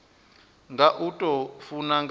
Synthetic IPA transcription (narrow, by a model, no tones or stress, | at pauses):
ŋɡaʔutʼɔfunaŋɡ